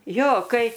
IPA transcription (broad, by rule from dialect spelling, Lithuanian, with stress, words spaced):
ˈjoː ˈkɐɪ